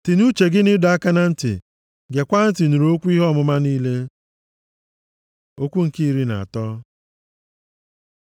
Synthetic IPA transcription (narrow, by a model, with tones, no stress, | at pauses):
tɪ˨nu˦t͡ʃe˨ɡɪ˦nɪ˦da˦ka˦na˦n̩˦tɪ̰˨ | ɡe˨kʷa˦n̩˦tɪ˨nu˨ɾo˦kʷu˦i˦ɦɔ˦˨mʊ˦ma˦niː˦le˦ | o˦kʷu˦ŋ̩˨ki˦ɾi˦na̰˨a̰˨tɔ˦